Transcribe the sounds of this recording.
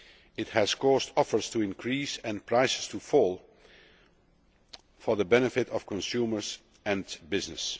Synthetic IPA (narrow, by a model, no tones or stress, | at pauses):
ɪthɨz̥kɔztɔfə˞stuɪ̃nkʰɹisɛ̃npʰɹaɪsɪ̥stʰufɔːlˠ | fɔɹðəbɛnəfɪtɔfkɔ̃nsumə˞z | ɛ̃nbɪznɨs